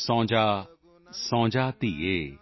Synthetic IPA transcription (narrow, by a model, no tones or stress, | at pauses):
sɔ̃ːd͡ʒaː | sɔ̃ːd͡ʒaːt̪ieː